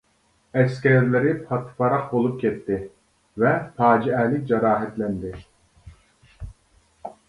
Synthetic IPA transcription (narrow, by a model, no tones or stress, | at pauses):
ɛskʲɛɾlɪɾɪpʰɑt̪ʰɨ̥pɑɾɑqbolˠup̚kʲʰɛt̪ʰːɪ | vɛpʰɑːd͡ʒiɛːlɪkʲd͡ʒɑɾɑːɦɛt̪lɛnd̪ɪ